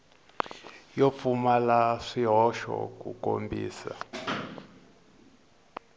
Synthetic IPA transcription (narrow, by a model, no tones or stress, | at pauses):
jop̪fumalaʂiɦɔʃɔ̰k̬uko̰mbḭːsa